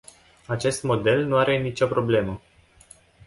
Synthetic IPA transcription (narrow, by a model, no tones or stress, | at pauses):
at͡ʃe̞st̪mo̞d̪e̞lnuaɾe̞nit͡ʃopɾo̞ble̞mə